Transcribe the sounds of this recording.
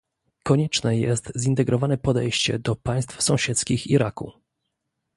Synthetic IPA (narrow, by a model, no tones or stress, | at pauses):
kɔɲɛt͡ʂnɛjɛst̪zint̪ɛɡɾɔvanɛpɔd̪ɛjɕt͡ɕɛ̰d̪ɔpaj̃st̪fsɔ̃w̃ɕɛt̪skʲixiɾakṵ